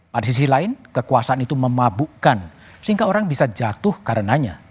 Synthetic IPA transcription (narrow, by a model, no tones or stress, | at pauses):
padas̬is̬ilaɪnkəkuasaːnit̪uməmabukan | səiŋɡaoɾaŋbisad͡ʒat̪ʊhkaɾənaɲa̰